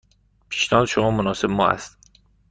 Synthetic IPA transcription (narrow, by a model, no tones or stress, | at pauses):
pʰi̥ːʃnɒːd̪ʃomɒːmonɒːsebmɒːæ̰st̪